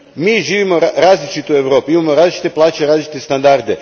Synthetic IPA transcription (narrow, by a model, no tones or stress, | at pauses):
miːʒiːʋimoɾaːzlit͡ʃit̪ue̞ʋɾo̞ːpiimamoɾaːzlit͡ʃi̥t̪e̞plˠaːt͡ʃeɾaːzlit͡ʃi̥t̪est̪and̪aɾd̪e̞